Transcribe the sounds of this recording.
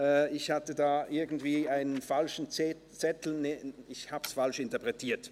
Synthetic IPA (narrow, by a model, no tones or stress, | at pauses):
ʔɛːɪçhatədaːʔɪɐɡn̩tv̥iːaɪnənfalʃn̩ | t͡sɛtl̩neɪçhaːbəsfalʃɪntɐpʁ̥ɛtʰiːɐt